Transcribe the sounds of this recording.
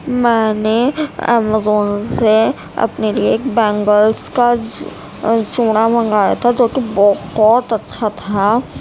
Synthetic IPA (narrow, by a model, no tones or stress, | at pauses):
mɛːneɛ̰ːmazoːnse | ɐ̰pnelieːk̚bɛ̃ːŋɡəlska | t͡ʃũːɽ̃amɐ̃ŋɡaːja̰t̪ʰad͡ʒoːkibɔːbɔːt̪ɐtːʃʰat̪ʰa